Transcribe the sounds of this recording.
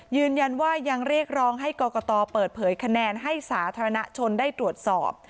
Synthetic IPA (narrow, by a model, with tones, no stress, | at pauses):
jɯː˧nja˧nwaː˥˩ja˧ŋɾi˥˩ək̚ɾɔː˧˥ŋɦa˥˩jkɔː˧kɔː˧t̪ɔː˧pɤː˨˩t̪̚pʰɤː˩˦jkʰa˧nɛː˧nɦa˥˩jsaː˩˦t̪ʰaː˧ɾa˧na˦˥t͡ɕʰo˧ndaː˥˩jt̪ɾu˨˩ət̪̚sɔ̰ː˨˩p̚